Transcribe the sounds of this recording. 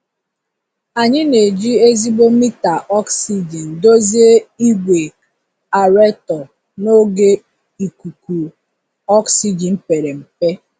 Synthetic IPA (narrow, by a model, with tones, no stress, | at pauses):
a˨ɲɪ˦ne˨d͡ʒi˦e˦zi˦ɡ͡bo˦mi˦ta˨ʔɔ˦ksi˦d͡ʒi˨n̩˨do˦zi˦e˦i˦ɡʷe˨ | a˨ɾe˦tɔ˨ | no˦ɡe˦ | i˨ku˨ku˨ | ɔ˦ksi˦d͡ʒi˨m̩˦pe˨ɾe˨m̩˨pe˦